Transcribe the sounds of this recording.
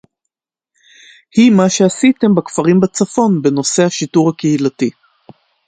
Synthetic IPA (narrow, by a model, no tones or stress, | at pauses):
himaʃeasite̞mbakfaʁimbat͡safo̞nbe̞no̞se̞haʃituʁhakehilati